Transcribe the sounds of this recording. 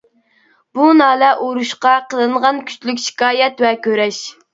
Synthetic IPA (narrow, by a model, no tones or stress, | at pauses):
b̥unɑːlɛʔoɾuʃqɑqʰəlˠɨɴʁɑnkʲʰy̥t͡ʃlyk̬ʲʃi̥kɑːjɛt̪wɛkʲʰøɾɛʃ